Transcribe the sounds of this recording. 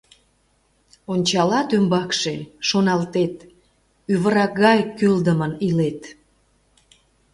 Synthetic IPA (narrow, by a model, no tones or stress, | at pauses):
onʲt͡ɕɑlɑt̪ymbɑkʃeʃonɑlt̪et̪ | yβəɾɑkɣɑjkyld̪əmənilet̪